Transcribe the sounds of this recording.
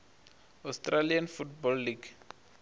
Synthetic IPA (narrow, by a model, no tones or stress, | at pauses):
astralianfutbɔlːiɡ